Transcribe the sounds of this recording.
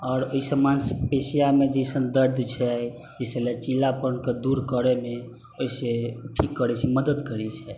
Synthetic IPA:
ɔːɾoisəmanspesijamed͡ʒəjsənd̪əɾd̪ʱt͡ʃʰɛ | d͡ʒeselet͡ʃilapənked̪uɾkəɾeme | oiseʈʰikːəɾɛt͡ʃʰɛməd̪əd̪kəɾɛt͡ʃʰɛ

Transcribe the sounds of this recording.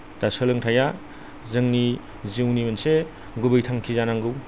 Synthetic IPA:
d̥asɯlɯŋtʰaja | zɯŋni | ziwnimense | ɡubɯjtʰaŋkʰizanaŋɡɯw

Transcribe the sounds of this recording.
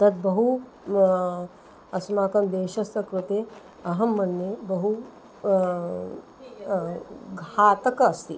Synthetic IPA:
t̪ɐt̪̚bɐɦu | ɐsmaːkɐmd̪eːʃɐst̪ɐkɾut̪e | ɐɦɐmːɐnjebɐɦu | ɡʱaːt̪ɐkɐːst̪i

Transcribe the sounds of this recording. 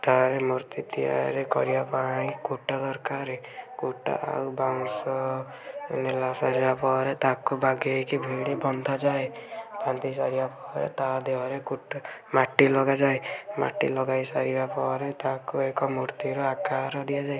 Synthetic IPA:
t̪aɾemuɾt̪it̪ia̰ɾekɔɾibapaĩkuʈasɔɾkaɾe | kuʈa̰ʔa̰wbaŋsɔ | ḛnelasaɾibapɔɾet̪akubaɡekibʱiɽibɔnd̪ʱad͡ʒaebant̪isaɾibapɔɾḛt̪ad̪eɦɔɾekuʈmaʈːilɔɡad͡ʒaema̰ʈːḭlɔɡajsaɾibapɔɾet̪akuekɔmuɾt̪iɾɔakaɾɔd̪ijad͡ʒae

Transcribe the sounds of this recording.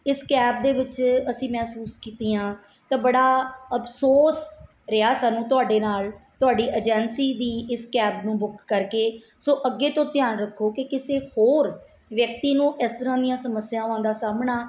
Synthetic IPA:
ɪskɛːb̚d̪eːʋɪt͡ʃəsĩːmɛːsuːskiːt̪iːjãː | t̪ãːbəɽaːəpʰsoːs | ɾɪaːsaːnũːt̪ʊaːɖeːnaːlt̪ʊaːɖiːʔəd͡ʒɛːnsiːd̪iːɪskɛːbnũːbʊkʰːəɾkeː | soːʔəɡːeːt̪õːt̪ɪjaːnɾəkʰːoːkɪkɪseːhoːɾ | ʋjək̚t̪iːnũːʔɪst̪əɾãːd̪ɪjãːsəməsːɪjãːoãːnd̪aːsaːmɳaː

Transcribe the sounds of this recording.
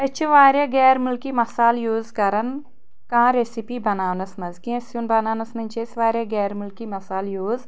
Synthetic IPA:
ɐt͡ʃʰiʋaːɾʲjaɡɛːɾmulkiːmɐsaːljuːzkɐɾɐn | kãːɾesipiːbɐnaːwnɐsmɐzkĩɐ̃sjunbɐnaːnɐsmɐnʲt͡ʃʰesʋaːɾʲjaɡɛːɾmulkiːmɐsaːljoːz

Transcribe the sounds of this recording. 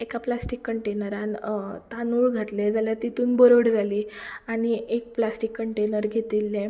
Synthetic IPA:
ekaplasʈikːəɳʈenəɾant̪anuːɭɡʱat̪led͡zaljaɾt̪it̪uːnbəɾoɽd͡zʱaliːaɽ̃iʔek̚plasʈikːəɳʈenəɾɡʱet̪ilːẽ

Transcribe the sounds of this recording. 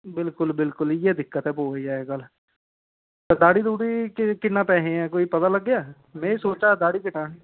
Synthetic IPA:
bɪlkʊlbɪlkʊljeːd̪ɪkːət̪ɦɛːpoːəiːɛːkəl | t̪əd̪aːɽiːd̪uːʈiːkkɪnːaːpɛːɦẽːɛ̃ːkoːipət̪aːləɡːɪjaː | mɛ̃ːsoːt͡ʃaːd̪aːɽiːkɪʈaːnː

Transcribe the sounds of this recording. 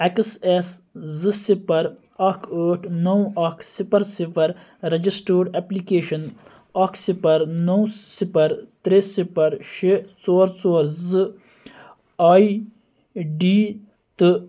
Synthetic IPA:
ekses | zɨsipɐɾ | ɐkʰəːʈʰnɐwɐkʰsipɐɾsipɐɾ | ɾɐd͡ʒisʈəːɖeːplikeːʃɐn | ɐksipɐɾnɐwsipɐɾt̪ɾesipɐɾʃet͡soːɾt͡sɔːɾzɨ | aːi | ɖiː | t̪ɨ

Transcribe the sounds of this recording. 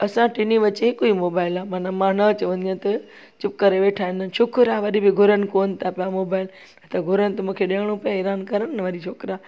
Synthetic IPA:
ɐsãʈɪniʋɐt͡ɕeɦɪkoimoːbaːɪlaːmãːnãmãːnɐt͡ɕɐʋə̃nd̪iãt̪ɐ | t͡ɕɪp̚kɐɾeʋeːʈʰaːɦɪ̃nd̪ənʃʰʊkɾaʋɐɗibɪɡʱʊɾənɪ̆koːnɪ̆t̪ʰapijamoːbaːɪl | nɐt̪ɐɡʱʊɾənɪ̆t̪ɐmũːkʰeɗeɽ̃õpɐjãɪɾaːnkɐɾənnʋɐɗit͡ʃʰoːkɾaː

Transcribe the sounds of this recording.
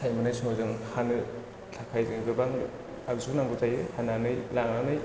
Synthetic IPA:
sʰajmɯnajsuŋazɯŋhanɯ | tʰakʰajzɯŋɡɯbaŋ | akzunaŋɡutʰajɯhananɯjlaŋanɯj

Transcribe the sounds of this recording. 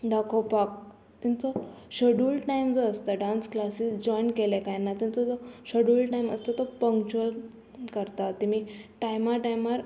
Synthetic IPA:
d̪akʰopak̚ | t̪int͡sɔɕəɽuːlʈaimd͡zɔəst̪aɖansklasisd͡ʑɔjnkelekajnat̪ĩnt͡sɔd͡zɔɕəɽulʈaimə̰st̪ɔt̪ɔpə̃ŋkt͡ɕuəl | kəɾt̪at̪imiʈajmaʈajmaɾ

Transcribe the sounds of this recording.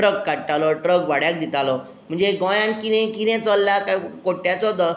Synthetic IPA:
ɾəkːaɽt̪alɔʈɾəkʋaɽjak̚d̪it̪alɔ | m̤əɳd͡zeɡɔ̃jãnkinẽkinẽt͡sɔlːjakakoʈːjat͡sɔɦot̪̬ɔ

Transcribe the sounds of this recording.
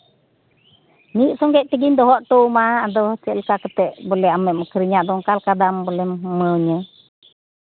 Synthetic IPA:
niʔsɔŋɡɛʔt̪əɡind̪ɔɦɔʔʈ̪ɔmaːdɔsɛləkakət̪ɛʔbolɛɦamɛʔməkəɾiɲaʔd̪ɔŋkalkadambolɛhməɲə

